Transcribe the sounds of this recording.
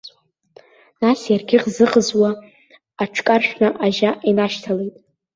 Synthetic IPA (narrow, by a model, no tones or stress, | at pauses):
nasjarɡʲɪqzɨqʼəzwaː | ʈ͡ʂʰkʼarʃᶣnaʔaʒaʔinaʃtʰalejtʼ